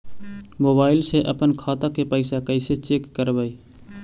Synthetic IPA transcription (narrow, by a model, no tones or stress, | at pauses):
moːbaːɪlseʔəpənkʰaːt̪akepəɪsakəɪset͡ʃeːkːəɾbəi